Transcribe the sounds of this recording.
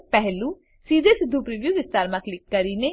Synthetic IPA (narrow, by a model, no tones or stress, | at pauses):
pɛɦlũː | siːd̪eːsɪd̪ʱːuːpɾɪʋjuːʋɪst̪aːɾmãːklɪkːəɾiːneː